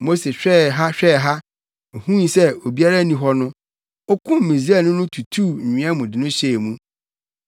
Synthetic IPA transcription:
mo˦se˨ɕᶣɛ˦˨ɦa˦ɕᶣɛː˦˨ɦa˦ | o˨hũ˦n˨sɛ˦o˨bi˦a˦ɾa˦nĩ˨ɦɔ˦nʊ̃˦ | o˦kʰʊ̃˦mː˨ĩ˨zi˦ɛ˦˨nʊ̃˦nʊ̃˦tʰu˨tʰuː˦˨ɲ̩˨ĩ˨ã˦mʊ̃˨dɪ˨nʊ̃˦ɕe˨mũ˦

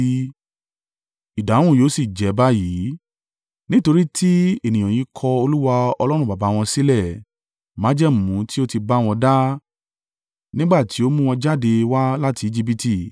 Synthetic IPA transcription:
i˨dã˨˦ũ˦˨jo˨˦si˦˨d͡ʒɛ˨˦ba˦ji˨˦ | nĩ˦to˧ɾi˦tʰi˦e˦˨nĩ˨j̃ã˨jĩ˨˦kʰɔ˧o˧lu˦wa˧ɔ˧lɔ˦ɾ̃ũ˧˨ba˨ba˨˦w̃ɔ̃˧si˦lɛ˦˨ | mã˨˦d͡ʒɛ˦m˨mũ˨˦ti˦o˦ti˧ba˦w̃ɔ̃˧da˦ | nĩ˦ɡ͡ba˦˨ti˨˦o˦mũ˦w̃ɔ̃˧d͡ʒa˦˨de˧wa˦la˦tʰi˧i˦d͡ʒi˦bi˦ti˦˨

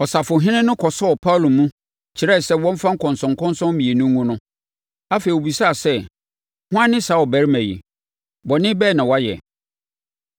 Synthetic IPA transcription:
ɔ˨sa˨fʊ˨ɦɪ̃˦nɪ̃˦nʊ̃˦kʰɔ˨sɔ˦ɔ˨pʰa˦˨lo˨mũ˦ | t͡ɕʰɪ˨ɾɛ˦˨sɛ˦wɔ̃˦m˦fã˦ŋ̩˦kʰɔ̃˨nsɔ̃˨ŋ˨kʰɔ̃˦nsɔ̃˦mmĩ˨e˨nʊ̃˦ŋũ˦nʊ̃˦ | a˦fe˨i˨o˨bi˨sa˦a˨sɛ˦ | hʊ̃˦ã˦nɪ̃˦sa˨˦ɔ˨bæ˨ɾmæ̃˨jḭ˨ | bɔ˨nɪ̃˦bɛː˦˨nã˨wa˦jɛ̰˨

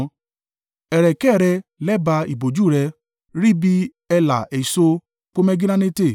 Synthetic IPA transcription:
ɛ˨ɾɛ˨kɛ˦˨ɾɛ˧lɛ˦ba˧i˨bo˨d͡ʒu˦˨ɾɛ˧ | ɾi˦bi˦ | ɛ˧la˨ɛ˨so˦ | k͡po˦mɛ˦ɡi˦nã˦nẽ˦te˦˨

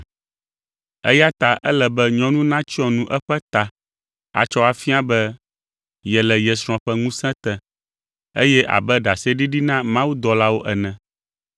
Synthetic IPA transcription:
ɛ̰˦ja˦t̪a˨ʔɛ˦lɛ˨bɛ˦ɲɔ̃˦nũ˦nã˦t͡ɕi˦ɔ̃˦nũ˦ʔɛ˦ɸɛ˦t̪a˨ | a̰˨t͡ʃɔ˦a˨fi˦a˦bɛ˦ | jɛ˨lɛ˨jɛ˨sɾ̃ɔ̃˨ɸɛ˦ŋũ˦sɛ̃˦t̪ɛ̃˨ | ḛ˦jɛ˦ʔa̰˨bɛ˦ɖa˨sɛ˦ɖi˦ɖi˦nã˦mã˦wu˦d̪ɔ˨la˦wo˦ʔɛ˨nɛ̃˨

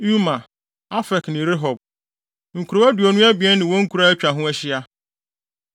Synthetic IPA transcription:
u˦mã˨ | a˦fɛ˨knɪ̃˨ɾɪ˦ɦɔ˨b̚ | ŋ̩˨kʰu˨ɾo˨˦æ˦du˨ɔ˨nʊ̃˦æ˦bi˨ɛ˦nː˦ɪ̃˨wɔ̃˦ŋ̩˦kʰu˨ɾa˦æ˦t͡ɕᶣa˨ɦʊ̃˦ɛ˦ɕɪ˦a˦

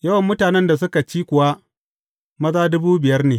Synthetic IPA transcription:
jɐ˦wɐ˨mːʊ˦taː˨nɛ˦nda˨sʊ˦ka˨t͡ʃiː˦kʷʊ˨wa˦ | mɐ˦zaː˦dʊ˦buː˦bɪ˨jɐ˦rneː˨

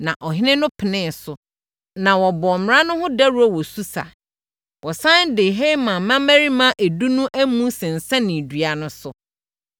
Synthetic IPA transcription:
nã˨ʔɔ˨ɦɪ˦nɪ̃˦nʊ̃˦pʰɪ˨nɪ̃˦sʊ˨ | nã˨wɔ˨bɔ˨mɪ̃˨ɾã˦nʊ̃˦hʊ̃˦da˦ɾu˦æ˦˨wɔ˨su˦sa̰˨ | wɔ˨sã˦n˦dɪ˨ɦe˦mã˨mã˦mæ˦ɾi˦mã˦ʔæ˨du˦nũ˦ʔæ˦mũ˦sɛ̃˨n̩˨sa˦nĩ˨dɥa˨nʊ̃˦sʊ˦

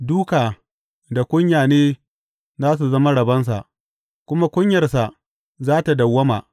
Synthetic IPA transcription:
duː˦kaː˨ | da˨kʷʊ˦ɲjaː˨neː˦ | zaː˦s̬u˨zɐ˦ma˦ɽɐ˨bɐ˦ns̬a̰˨ʔ | kʷʊ˦ma˦kʷʊ˦ɲjɐ˨rsa˨ʔ | zaː˦ta˨dɐ˨wːɐ˦ma̰ː˨

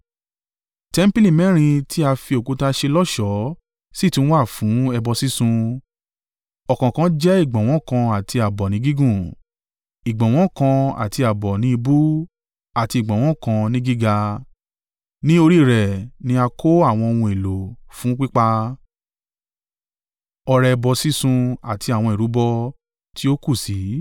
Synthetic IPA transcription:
tɛ˦m̩˦pi˦lĩ˦˨mɛ̃˦ɾ̃ĩ˧tʰi˦a˧fi˧o˨ku˦ta˧ʃe˧lɔ˦ʃɔ˨˦ | si˦˨tũ˦wa˦˨fũ˨˦ɛ˧bɔ˧si˦sũ˧ | ɔ˨kã˨kã˧˦d͡ʒɛ˦i˦˨ɡ͡bɔ̃˨w̃ɔ̃˨˦kã˧a˨tʰi˧a˨bɔ˨nĩ˨˦ɡi˦ɡũ˦˨ | i˨ɡ͡bɔ̃˨w̃ɔ̃˦kã˧a̰˨ti˧a˨bɔ˨nĩ˨˦i˧bu˦ | a˨ti˧i˨ɡ͡bɔ̃˨w̃ɔ̃˨˦kã˧nĩ˦ɡi˦ɡa˧ | nĩ˦o˧ɾi˦˨ɾɛ˨nĩ˧a˧kʰo˦a˦˨w̃ɔ̃˧o˧wũ˧e˨lo˨fũ˨˦k͡pi˦k͡pa˧ | ɔ˧ɾɛ˧ɛ˧bɔ˧si˦sũ˧a˨ti˧a˨w̃ɔ̃˧i˨ɾu˨˦bɔ˧ | ti˦o˦ku˦˨si˨˦

